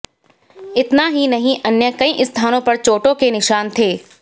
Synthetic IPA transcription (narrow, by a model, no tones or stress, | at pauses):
ɪt̪naɦinɐɦĩʔɐnjəkɐĩʔst̪ʰaːnõpɐɾt͡ʃoːʈõkenɪʃaːnt̪ʰeː